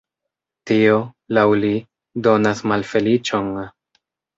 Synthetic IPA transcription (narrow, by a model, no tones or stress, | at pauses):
tio̞ | lawli | do̞nasmalfe̞lit͡ʃo̞n